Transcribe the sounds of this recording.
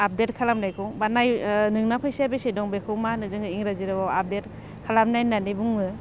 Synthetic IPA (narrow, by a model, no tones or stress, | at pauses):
ap̚det̚kʰalamnajkʰɔbanajnɯŋnapʰɯjsabesedɔŋbekʰɯmanɯzɯŋɯiŋɾaziɾɯbawap̚det | kʰalamnajnanibuŋɯ